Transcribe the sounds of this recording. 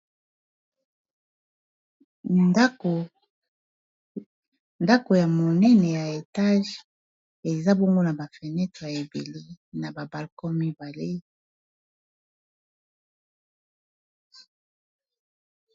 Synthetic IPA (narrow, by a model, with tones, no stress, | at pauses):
nda˦ko˨ja˨mo˨nɛ˦nɛ˨ja˨e˨ta˦ʒ | e˨za˦bo˦ŋɡo˦na˨ba˨fɛ˨nɛ˦tʁe˨ja˨e˨be˨le˦na˨ba˨ba˨lkɔ˦mi˦ba˨le˦